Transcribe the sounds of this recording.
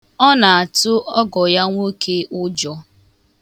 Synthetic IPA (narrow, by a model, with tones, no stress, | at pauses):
ɔ˦na˨a˨tʊ˦ʔɔ˦ɡɔ˨ja˦ŋʷo˦kʰe˦ʔʊ˦d͡ʒɔ˦